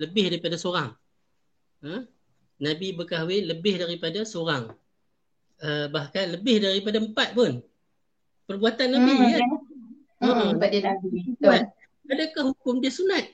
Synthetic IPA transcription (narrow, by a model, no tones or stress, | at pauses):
ləbɪhdaɾipadasoɾaŋ | ə | nabibəkawɪnləbɪhdaɾipadasoɾaŋ | əbahkanləbɪhdaɾipadaəmpat̪̚pʊn | pərbuat̪anːabija | əpadanabia | adakahhukʊmdiasunat̪̚